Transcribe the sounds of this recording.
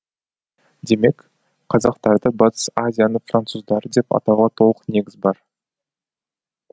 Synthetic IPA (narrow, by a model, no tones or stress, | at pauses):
d̪e̞me̞k | qʰɑzɑqt̪ɑɾd̪əbɑt̪ə̥sazʲijanəɴfrant̪suzd̪ɑɾəd̪e̞pɑ̰t̪ɑwʁɑt̪ʰo̞lˠəqne̞ɡʲɪzbɑɾ